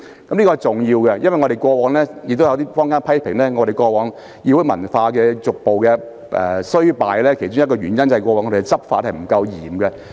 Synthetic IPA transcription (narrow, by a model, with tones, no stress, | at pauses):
kɐ˨˦mnliː˥kɔː˧˨jt͡sʊ˨˩ŋjiː˧wkɛ˧jɐ˥nwɐ˨jŋɔ˨˧ɾe˨jkʷɔː˧wɔː˨˧˥ŋlɛː˥jɪ˨k̚t̪o˥wjɐ˧wt̪̬iː˥fɔː˥ŋkaː˥npʰɐ˥jpʰɪ˨˩ŋlɛː˥ŋɔ˨˧ɾe˨jkʷɔː˧wɔː˨˧ŋ | jiː˧wʊ˦˥mɐ˨˩nfaː˧kɛː˧t͡sʊ˨k̚po˨wkɛː˧ | ʔɛ̰˨˩sɵ˥ɥpaː˨jlɛː˥kʰe˨˩jt͡sʊ˥ŋjɐ˥tkɔː˧ɥyː˨˩njɐ˥nt͡sɐ˨ɐ˨˩kɔː˧wɔː˨˧ŋɔ˧˩e˨˩t͡sɐ˥p̚faː˧˥t̚hɐ˨˩jm̩˨˩kɐ˧wjiː˨˩mɡɛ˧